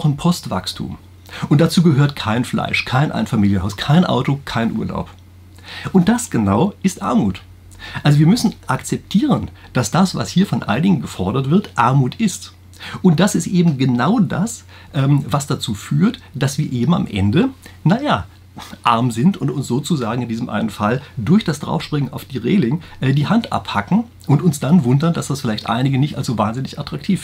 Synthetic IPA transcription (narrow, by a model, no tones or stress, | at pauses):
aʊxnpʰɔstv̥a̰kstʰṵːm | ʔʊnt̚d̥at͡suːɡəɦøːɐtkʰaɪnfla̰ɪʃkʰaɪnʔa̰ɪnfamiːljənhaʊskʰaɪnʔa̰ʊtokʰaɪnʔuːɐla̰ʊp | ʔʊnt̚d̥asɡ̥ənaʊɪstʔa̰ɐmuːt | ʔalzoviːɐmʏsn̩ʔakt͡sɛp̚tʰiːʁ̞ən | d̥asd̥asv̥a̰shiːɐfɔnʔa̰lnɪɡn̩ɡəfɔɐɾɐtv̥ɪɐtʔaɐmuːtʰɪst | ʔʊnt̚d̥asɪstʔeːbm̩ɡənaʊdas | ʔɛːmvasd̥at͡suːfyːɐtd̥asv̥iːɐʔeːbm̩a̰mʔɛ̰ndənajaː | ʔaɐmzɪntʊntʊnsz̥oːt͡suzaːɡŋ̩ɪndiːzəmʔa̰ɪnənfaldʊɐçd̥asd̥ʁa̰ʊfʃpʁ̥ɪŋənaʊfd̥iːʁeːlɪŋʔɛːdiːhantʔa̰phakn̩ | ʔʊntʊnsd̥anvʊndɐndasd̥asfɪlaɪçtʔa̰ɪnɪɡənɪçta̰lszovaːnzɪnɪçatʁ̥ak̚tʰiːf